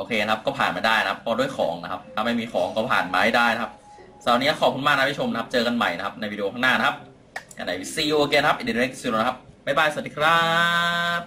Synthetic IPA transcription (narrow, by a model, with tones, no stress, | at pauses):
ʔoː˧˩kʰeː˧na˧kʰa˦˥p̚kɔː˥˩pʰaː˨˩nmaː˧daː˥˩jna˦kʰa˦˥pʰːɔː˧du˥˩jxʰɔ̰ː˩˦ŋna˦˧kʰa˦˥p̚t̪ʰa˧mːa˥˩jmiː˧xʰɔː˨˩˦ŋkɔː˥˩pʰa̰ː˨˩nmaː˧ha˥˩daː˥˩jna˦kʰa˦˥p̚ | sa˨˩ni˦˥ɐ˥kʰɔː˨˩p̚ku˧˦maː˥˩na˧a˥pʰi˦˥t͡ɕʰo˧mna˧kʰa˦˥p̚t͡ɕɤː˧ka˧nma̰˨˩jna˦kʰa˦˥p̚na˧jwiː˧i˧o˧kʰaː˥˩naː˥˩na˧˥kʰa˦˥p̚ | ka̰˧˩nːa˨˦jwi˦˥si˧woː˧keː˧na˧kʰa˦p̚ʔi˧˩di˧e˦˥k̚siː˧o˧a˧˥kʰa˧˥p̚ma˥˩jbaː˥˩jsnt̪ʰiː˧kʰɾa˦ | p̚